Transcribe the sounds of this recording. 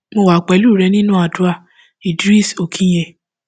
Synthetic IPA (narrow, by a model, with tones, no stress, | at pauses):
mo˧wa˨k͡pɛ˨˦lu˦˨ɾɛ˧˦nĩ˦nũ˦a˨du˨˧˦a˦˨ | i˨dɾi˦˨so˨kʰĩ˦j̃e˧˨